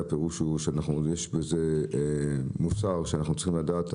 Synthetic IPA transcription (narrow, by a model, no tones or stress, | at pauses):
apeʁuʃuʃeanaχnujeʃbeze | musaʁʃeanaχnut͡si̥χimlad̪aːt̪